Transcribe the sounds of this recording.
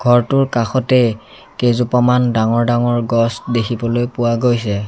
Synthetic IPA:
ɡʱɔɹtʊɹkaxɔtɛ | kezupɔmandaŋɔɹdaŋɔɹɡɔsdekʰibɔlojpʊwaɡojsɛ

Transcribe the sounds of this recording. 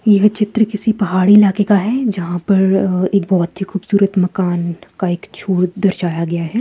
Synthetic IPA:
jɐɦt͡ʃɪt̪ɾəkɪsipɐɦaːɽiɪlaːkekaɦɛːd͡ʒɐɦãpɐɾeːk̚bɔːt̪ɦixuːbsuːɾət̪mɐkaːnkaeːkt͡ʃʰoːɽd̪ɐɾʃaːjaɡɐjaɦɛː

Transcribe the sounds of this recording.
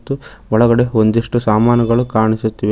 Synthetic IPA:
t̪ːuɔɭɐɡɐɽe̞ond̪iʂʈusaːmaːnɐɡɐɭukaːɳisut̪ːiʋe

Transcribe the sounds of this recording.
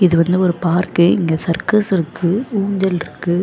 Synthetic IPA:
ɪðɯʋɐnd̪ɯɔɾɯpaːɾkeɪŋɡɐsɐɾkɐsɪɾɯkːɯuːɲd͡ʒɐlɪɾɯkːɯ

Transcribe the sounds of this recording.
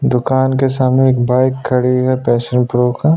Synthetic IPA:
d̪ʊkaːnkesaːmnẽeːkbaːɪkʰːɐɽiɦɛpɛːʃənpɾoːka

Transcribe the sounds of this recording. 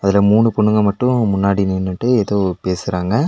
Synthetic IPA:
ɐðɪlɐmuːɳɯpɔɳːɯŋɡɐmɐʈːʊ̃mʊnːaːɽinɪːnːɯʈːɯɛðɐʋɯpeːsɯɾaːŋɡɐ

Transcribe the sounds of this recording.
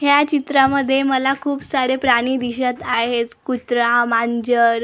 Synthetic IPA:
ɦjat͡ɕit̪ɾaməd̪ʱːjeməlakʰuːpsaɽepɾaɽ̃iːd̪iɕət̪aɦet̪kut̪ɾãmaɲd͡ʑəɾ

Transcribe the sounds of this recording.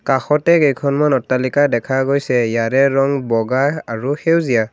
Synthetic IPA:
kaxɔtɛkejkʰɔnmanɔtːalikadɛkʰaɡojsɛjaɾɛɹɔŋbɔɡajaɹuxewzija

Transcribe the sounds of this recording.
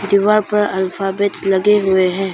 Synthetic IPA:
d̪iːʋaːɾpɐɾɐlfʰaːbet̪lɐɡeɦʊeɦɛ̃ː

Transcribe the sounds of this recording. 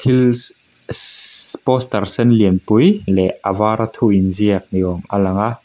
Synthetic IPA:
t̪ʰil | pɔst̪ɐrsɛnliənpujlɛʔavaːɾat̪ʰuinziək̚niɡɔmalɐŋa

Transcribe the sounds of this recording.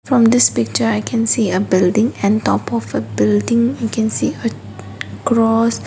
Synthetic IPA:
fɹɔ̃md̪ɪspɪk̚t͡ʃəajkʰɛ̃nsiəbɪldɪ̃ŋɛ̃ntɔpɔfəbɪldɪ̃ŋjukʰɛ̃nsiə | kɹɔs

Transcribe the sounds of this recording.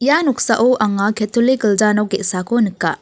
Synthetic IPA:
janɔk̚saʔɔʔaŋakʰetʰuliɡəld͡ʒanɔɡeʔsakʰonɯkːa

